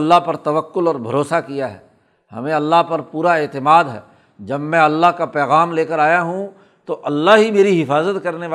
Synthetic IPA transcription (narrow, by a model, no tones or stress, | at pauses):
lːaɦpɐɾt̪ɐʋəkːʊlɔːɾbʱɐ̰ɾoːsakijaɦɛ̰ː | hɐ̰mẽɐlːaɦpɐɾpuːɾaeːt̪ɪmaːd̪ɦɛ̰ː | d͡ʒɐbmɛ̃ɐlːaɦkapɛːɣaːmleːkəɾaːjaɦũ | t̪oʔɐlːaɦɦimeːɾiɦɪfaːzət̪kɐɾneʋa